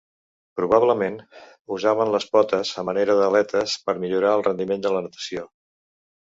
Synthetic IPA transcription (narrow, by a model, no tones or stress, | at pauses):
pɾuβ̞aβləmen | uzaβ̞ənləspɔt̪əzəməneɾəðəlɛt̪əspəɾmiʎuɾaəlˠrənd̪imend̪ələnət̪ə̥sio